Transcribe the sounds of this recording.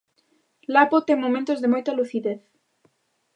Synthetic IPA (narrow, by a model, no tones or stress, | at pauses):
lapot̪eŋmomẽnt̪ozðemojt̪aluθiðeθ